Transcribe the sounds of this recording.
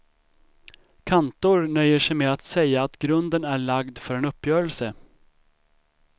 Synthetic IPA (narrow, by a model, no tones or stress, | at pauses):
kʰant̪ʊɾnœjːəʂɛjmeat̪sɛjːaːt̪ɡɾɵnd̪ənæɭaɡd̪fœɾɛnɵpːjœːɾəlsə